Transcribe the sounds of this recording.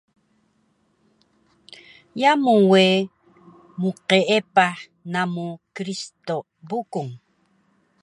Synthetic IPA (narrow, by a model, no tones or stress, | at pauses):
jamuwe | muqeʔepa | namukɾist̪o | bukuŋ